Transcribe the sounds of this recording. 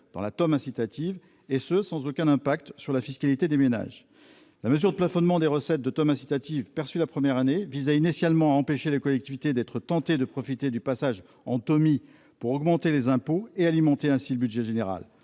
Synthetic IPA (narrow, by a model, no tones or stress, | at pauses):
d̪̥ɑ̰̃lat̪ɔmɛ̃sit̪at̪ʰiv | esəsɑ̃zokʲɛ̃nɛ̃pak̚t̪syʁlafiskalit̪ed̪emena̰ʒ | laməzyʁd̪əplafɔnmɑ̃d̪eʁəsɛt̪̚d̪ət̪ɔmɛ̃si̥t̪at̪ivpɛʁsylapχəmjɛʁanevizɛinisjalmɑ̃aɑ̃peʃelekɔlɛk̚t̪ivit̪ed̪ɛt̪χət̪ɑ̃t̪ed̪əpχɔfit̪ed̪ypasaʒ | ɑ̃t̪ɔmi | puʁɔɡmɑ̃t̪elezɛ̃poealimɑ̃t̪eɛ̃siləbydʒɛʒeneʁa̰l